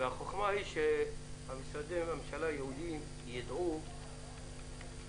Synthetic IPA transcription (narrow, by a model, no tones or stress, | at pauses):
eaχoχmahiʃehamisad̪emamʃalajehud̪im | jid̪ʕu